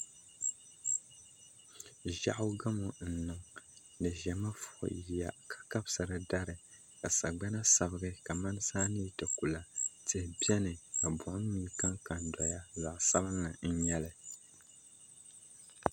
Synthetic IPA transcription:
ʒa̰˦ʔʊ˦ɡa˦mo˨n̩˨nɨ˨ŋ | nɨ˨ʒɛ˨ma˦fʊ˨ʔʊ̰˨ji˨ja̰˨kʰḁ˨ka˦bsɨ˨ɾɨ˨da˦ɾɨ˨ | ka˨sa˨ɡ͡bɛ˦na˦sa˨bɨ˦ɡɨ˦ka˨ma˦n˦saː˦ni˦˨tɨ˨ku˨la˨tɨ˨hbjɛ˦nɨ˨a˨bʊ˨ʔʊ˦miː˦ka˦ŋka˨n˨dɔ˨ja˦za˨ʔsa˦bɨ˦nlɨ˨n̩˦ɲɛ˦lɨ˨

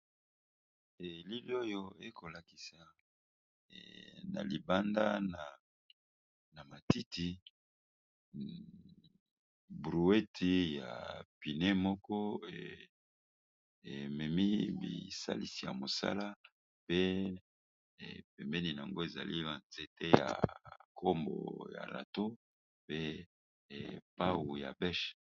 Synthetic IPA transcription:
e˨li˦bi˦o˦jo˦e˦ko˨la˨ki˨sa˨ | na̰˨li˨ba˦nda˦na˨ | na˨ma˨ti˦ti˨ | bʁu˨e˦tʰi˨ja̰˨pi˨ne˦mɔ˦kɔ˦ḛ˨ | e˨mɛ˨mi˦bḭ˨sa̰˦li˨si˨ja˨mo˨sa̰˦la˦ | pe˦ | e˨pɛ˨mbɛ˦ni˨n˨a˨ŋɡo˦e˨za̰˨li˦ba˨nz̥e˦te˦ja̰˨kʰo˦mbɔ̰˨ja̰˨la̰˨to˦ | pe˦˨ | pa˦wu˨ja̰˨bɛ˦ʃ

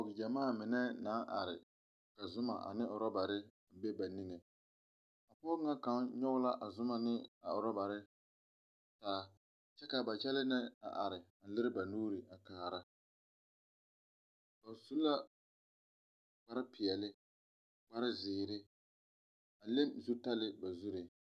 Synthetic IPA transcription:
ɔ˨ɡɪ˨d͡ʒa˨maː˦˨mɪ˨nɛ˦naː˦ʔa̰˨ɾɪ˨ | ka˨zʊ˦ma̰˨ʔa̰˨nɪ˦ʔʊ˨ɾɔ˦ba˨ɾɪ˦˨ | bɛ˦ba˨ni˦ŋe˨ | a˨pɔː˦ɾŋa˦ka˨˦mɲɔ˦ɣʊ˦la˦ʔa˨zʊ˦ma˨nɪ˦a˨ʊ˨ɾɔ˦ba˨ɾɪ˦ | taː˦ | t͡ʃɛ˦ka˨ba˨t͡ʃɛ˦lɪ˦nɪ˦a̰˨ʔa˨ɾɪ˨n̩˨lɪ˦ɾɪ˦ba˨nuː˦ɾɪ˨ʔa˨kaː˨ɾa˦ | ba˨su˦la˦ | k͡pa˦ɾɪ˦pɪ˨ɛ˨lɪ˦ | k͡pa˦ɾɪ˦zɪː˨ɾɪ˦ | a˨le˦mzu˦ta˦lɪ˦ba˨zu˦ɾɪ˨

